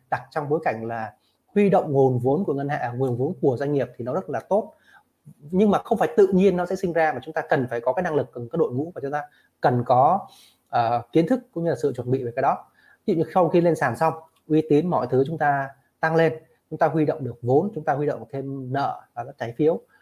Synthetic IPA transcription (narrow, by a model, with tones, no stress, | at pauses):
ɗa˨˩k̚t͡ɕɔ˧wŋ͡mɓo˨˦jka˧˩jŋ̟laː˨˩ | hwi˧ɗo̰˧˨wŋ͡mŋo˨˩nvo˨˦nku˧˩əŋə˧nha̰ː˧˨ŋu˨˩əŋvo˨˦nku˧˩əzwa˧ŋ̟ŋi˨˩əp̚t̪ʰi˨˩nɔ˨˦zə˦˥t̚laː˨˩t̪o˦˥t̚ | ɲɨ˧ŋmaː˨˩xə˧wŋ͡mfaː˧˩jt̪ɨ̰˧˨ɲi˧ənːɔ˨˦sɛ̰˧˥sï˧ŋ̟zaː˧maː˨˩t͡ɕʊ˨˦ŋ͡mt̪aː˧kə˨˩nfaː˧˩jkɔ˨˦kaː˨˦jna˧ŋlɨ˨˩k̚ːkaː˨˥k̚ɗo̰˧˨jŋṵ˧˥maː˨˩t͡ɕʊ˨˦ŋ͡mt̪aː˧ | kə˨˩nkɔ˨˦ | ʔəː˨˩ki˨˦ənt̪ʰɨ˦˥k̚kːʊ̰˧˥ŋ͡mɲɨ˧laː˨˩ɨ̰˧˨t͡ɕwə˨˩nɓḭ˧˨ve˨˩kaː˨˦jɗɔ˨˦˧ | zḭ˧˨ɲɨ˧sa˧wxi˧le˧nsaː˧˩msa˧wŋ͡m | ʔwi˨˦t̪i˨˦ənmɔ̰˧˨jt̪ʰɨ˨˦t͡ɕʊ˨˦ŋ͡mt̪aː˧ | t̪a˧ŋle˧n | t͡ɕʊ˨˦ŋ͡mt̪aː˧hwi˧ɗo̰˧˨wŋ͡mɗɨ˨˩ək̚vo˨˦nt͡ɕʊ˨˦ŋ͡mt̪aː˧hwi˧ɗo̰˧˨ŋ͡mt̪ʰe˧mnə̰ː˧˨vaː˨˩kaː˨˦˥t͡ɕaː˨˦jfi˨˦əw